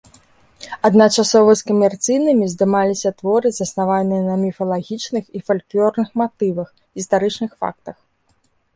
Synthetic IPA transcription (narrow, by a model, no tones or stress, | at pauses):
ɐd̪nat͡ʂasɔvɐsʲkɐmʲɛrt̪sɨjnɨmʲizd̪ɨmalʲisʲɐt̪vɔɾɨzɐsnavanːɨjɛnɐmʲifɐlˠaɣʲit͡ʂnɨxifalʲklʲɔrnɨxmat̪ɨvɐx | ɣʲist̪aɾɨt͡ʂnɨxfa̰k̚t̪ɐx